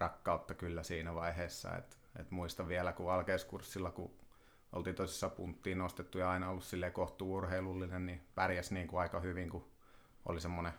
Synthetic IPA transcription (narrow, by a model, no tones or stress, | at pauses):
rɑkːɑut̪ːɑkylːæsiːnæʋɑiheːsːɑ̰ḛt̪ | ḛt̪muist̪ɑʋʋiælækuɑlkeiskursːilːɑkṵ | o̰lt̪iːnt̪oisi̥sːɑpunt̪ːiːnnost̪et̪ːujɑɑinɑolːussilːeikoht̪uːurheilulːinennipærjæsniːŋkuɑikɑhyʋiŋku | o̰lisemːone